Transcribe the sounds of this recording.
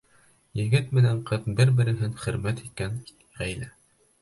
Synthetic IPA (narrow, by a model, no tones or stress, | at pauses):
jɘ̆ɡɘt̪mɘ̆næɴqɤt̪bɘɾbɘ̆ɾɘ̆ɦɘŋχɵ̆ɾmæt̪it̪̚kæn | ʁæjlæ